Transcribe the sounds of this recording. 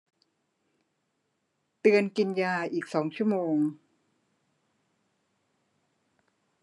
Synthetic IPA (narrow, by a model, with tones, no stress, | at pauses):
t̪ɯ˧ənki˧njaː˧ʔiː˨˩k̚sɔː˩˦ŋt͡ɕʰu˥˩əmoː˧ŋ